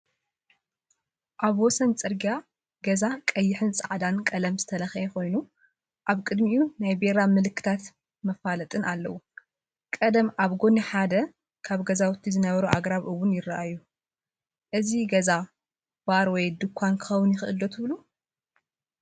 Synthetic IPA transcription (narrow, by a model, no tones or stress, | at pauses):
ʔaβwɔsɐnt͡sʼɨɾɡija | ɡɐzakʼɐjːɪħɨnt͡sʼaʕd̪ankʼɐlɐmzɨt̪ʰɐlɐxekʰo̞jnu | ʔaβkʼɨd̪miunajbeɾamɨlɨkːɨ̥t̪ʰat̪ | mɐfalɐt̪ʼɨnʔalːɐwu | kʼɐd̪ɐmʔaβɡo̞niħad̪ɐ | kʰaβɡɐzawt̪ʰːizɨnɐβɐɾuʔaɡɾaβʔɨwːʊnjɪrːaʔajːu | ʔɨziɡɐza | b̥aɾwɔjd̪ɨkʰʷːankʰɨ̥xɐwʊnjɪxɨʔɨlːot̪ʰɨβlu